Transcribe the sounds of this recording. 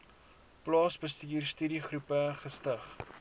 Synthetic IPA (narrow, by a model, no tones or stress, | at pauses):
plɑːsbəstiːrstyɾiχrupəχəstəχ